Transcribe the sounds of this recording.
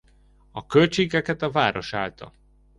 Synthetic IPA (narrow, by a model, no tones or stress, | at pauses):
ɒkølt͡ʃeːɡɛkɛt̪ɒvaːɾo̞ʃa̰ːlt̪ʰɒ̰